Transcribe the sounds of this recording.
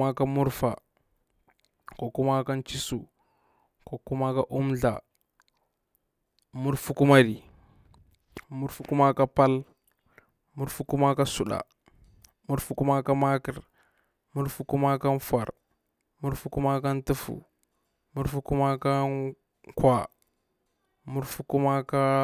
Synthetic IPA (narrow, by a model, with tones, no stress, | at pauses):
a˦ka˦mu˦ɾfa˨ | ko˨ku˦ma˦ka˦nt͡ʃi˦su˨ | ko˨ku˦ma˦ka˦ʔu˦mɮa̰˨ | mu˦ɾfu˦ku˦ma˦ɾi˨ | mu˦ɾfu˨ku˦ma˦ka˦pa˦l | mu˦ɾfu˦ku˦ma˦ka˦su˨ɗa̰˨ | mu˦ɾfu˦ku˦ma˦ka˦ma˦ki˨ɾ | mu˦ɾfu˦ku˦ma˦ka˦nfa̰˨ɾ | mu˦ɾfu˦ku˦ma˦ka˦ntu˦fṵ˨ | mu˦ɾfu˦ku˦ma˦ka˦ | kwa˨ | mu˦ɾfu˦ku˦ma˦ka˦